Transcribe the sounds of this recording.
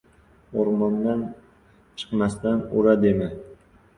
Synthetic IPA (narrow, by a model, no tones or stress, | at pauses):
oɾmɒnd̪an | t͡ʃʰɨ̥qmast̪anʊɾad̪emɪ